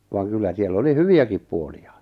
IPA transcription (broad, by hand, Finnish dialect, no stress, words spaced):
ʋɑːŋ kylːæ sielː oli hyʋiækip puolijɑ